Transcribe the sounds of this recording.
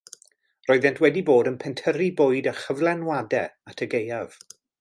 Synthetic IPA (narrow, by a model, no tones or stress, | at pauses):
roɨðɛntʰwɛdiboːdənpʰɛntʰəɾiboːɨdəχəvlˠɛnwadɛatʰəɡejav̥